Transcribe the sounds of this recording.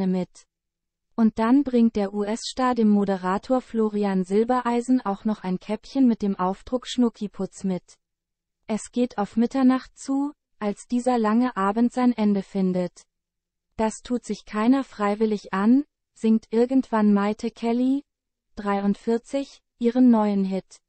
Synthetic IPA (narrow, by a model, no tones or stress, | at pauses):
əmɪt | ʔʊnt̚d̥anbʁɪŋt̚d̥eːɐʔuʔɛsʃtaːt̚d̥eːmːodəʁaːtʰoːɐfloːʁianzɪlbɐʔaɪzn̩ʔaʊxnɔχaɪnkʰɛpçənmɪt̚d̥eːmʔaʊfd̥ʁʊkʃnʊkʰipʰʊt͡smɪt | ʔɛsɡ̥eːtʰaʊfmɪtɐnaχtt͡suː | ʔalsd̥iːzɐlaŋəʔaːbn̩tz̥aɪnʔɛndəfɪndət | d̥astʰuːtz̥ɪçkʰaɪnɐfʁ̥aɪvɪlɪçʔan | z̥ɪŋtʔɪɐɡn̩tv̥anmaɪtʰəkʰɛli | d̥ʁaɪʊntfɪɐt͡sɪç | ʔiːʁ̞ənːɔʏənɦɪt